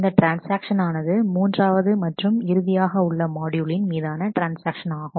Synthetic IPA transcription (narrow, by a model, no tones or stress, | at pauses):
ɪnd̪ɐʈɾaːnsaːkʂɐnaːnɐðɯmuːndraːʋɐðɯmɐʈrɯmɪɾɯðɪjaːɣɐʊɭːɐmaːɽjuɭɪnmiːðaːnɐʈɾaːnsaːkʂɐnaːɣʊ̃